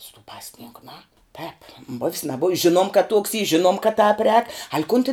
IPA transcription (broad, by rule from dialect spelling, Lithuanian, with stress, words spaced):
sʊ tuː ˈpɑːsʲˌnʲɪŋkʊ ˈnʊ ˈtʲɛːp bʊws nɐˈbʊws ˈʒʲɪnuɔm kɐt tuɔks iː ˈʒʲɪnuɔm kɐt tɑːp rʲɛːk ɐlʲ kʊn tʲɪn